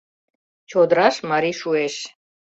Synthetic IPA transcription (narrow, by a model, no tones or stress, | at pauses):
t͡ʃʰɔd̪ɾaʃmaɾiʃuɛʃ